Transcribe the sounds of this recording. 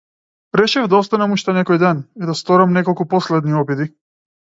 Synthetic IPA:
ɾɛʃɛvd̪aɔst̪anamuʃt̪ɛnɛkɔjd̪ɛnid̪ast̪ɔɾamnɛkɔlˠkupɔslɛd̪niɔbid̪i

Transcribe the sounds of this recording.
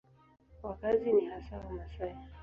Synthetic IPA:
kwakaziniɦasawamasai

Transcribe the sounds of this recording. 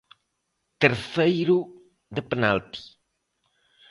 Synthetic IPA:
t̪eɾθejɾu | ðəpenalps

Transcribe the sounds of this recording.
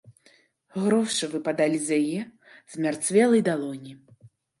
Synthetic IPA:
ɣɾɔwʂɨvɨpad̪alʲizʲjajɛ | z̥mʲart̪svʲɛlˠɐjd̪alˠɔnʲi

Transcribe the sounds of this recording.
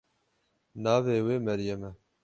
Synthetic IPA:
nɑːveːweːmɛɾjɛmɛ

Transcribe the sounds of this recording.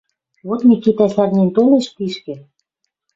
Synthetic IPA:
βot̪mikit̪æsʲærnent̪oleʃpiʃkĕ

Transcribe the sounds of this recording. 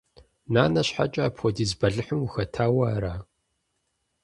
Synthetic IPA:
naːnɐɕħa̰t͡ʃʼaːpʰxʷɔdiːzbɐɮɨħəmuxɐtʰaːwɐːɾaː

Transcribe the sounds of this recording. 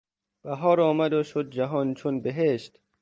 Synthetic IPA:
b̥æɦɒːɾɒːmæd̪oʃod̪̚d͡ʒæɦɒːnt͡ʃʰonbeɦeʃt̪

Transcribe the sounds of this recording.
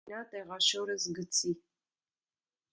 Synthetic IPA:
aːtʼeʁɑʃɐwɾɐzɡɨt͡sʰiː

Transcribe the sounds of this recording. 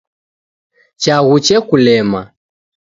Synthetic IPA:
t͡ʃaɣut͡ʃɛkulɛma̰

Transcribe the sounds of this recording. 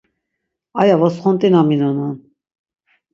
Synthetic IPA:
ɑjavɔsχɔnt̪ʼinɑminɑnan

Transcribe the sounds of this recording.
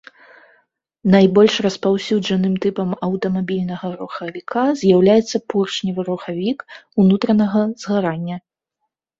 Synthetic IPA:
najbɔlʲʂrɐspawsʲud͡ʐɐnɨmt̪ɨpɐmɐwt̪ɐmabʲilʲnɐɣɐɾuxɐvʲikʰazʲjawlʲajɛt̪sːɐpurt͡ʂnʲivɨɾuxavʲikunut̪ɾɐnɐɣɐzɣaɾanʲːɐ

